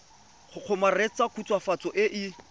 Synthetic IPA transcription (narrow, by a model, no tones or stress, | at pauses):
χʰʊq͡χʰʊmaret͡sakʰut͡sʰʼwafat͡sʼɔʔɪʔɪ